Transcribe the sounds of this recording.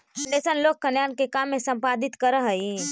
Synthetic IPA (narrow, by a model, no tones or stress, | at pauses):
ɳɖeːsənloːk̚kɐnjaːnkekaːmːẽsɐ̃mpaːd̪ɪt̪kəɾəɦəĩ